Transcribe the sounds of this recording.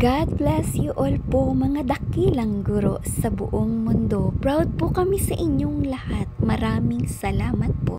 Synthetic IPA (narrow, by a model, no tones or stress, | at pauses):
ɡ̥ad̪̚blɛsjuʔolpomɐŋad̪ɐkilɐŋɡʊɾo̞̰sɐbʊ̰ʔoŋmʊnd̪o̞pɹawd̪̚pokɐmisɐʔɪɲjoŋlɐhat̪̚mɐɾaːmɪŋsɐlaːmɐt̪̚po̰ʔ